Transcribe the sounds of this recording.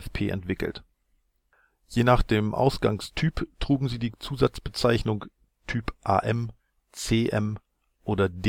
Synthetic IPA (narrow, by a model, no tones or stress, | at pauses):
fpʰeːʔɛ̰ntv̥ɪkl̩t | jeːnaːχd̥eːmʔa̰ʊsɡ̥a̰ŋstʰyːptʁ̥uːɡŋ̩ziːdiːt͡suːzat͡sb̥ət͡saɪçnʊŋ | tʰyːpʔa̰ːʔɛm | t͡seːʔɛm | ʔoːdɐd